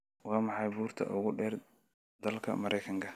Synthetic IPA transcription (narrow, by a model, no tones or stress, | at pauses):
wɑːmɑħɑjbuːrt̪ʰɐ̰ʔʊɣʊɖɛːr | d̪̥ɐlkʰɐ̰mɐɾʔɛjkʰɐŋkʰɐ